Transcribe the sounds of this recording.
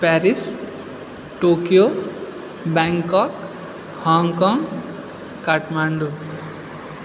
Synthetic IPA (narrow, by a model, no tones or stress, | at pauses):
pɛɾis | ʈokijo | bɛŋkɔk | hɔŋkɔŋɡ | kaʈmaɳɖu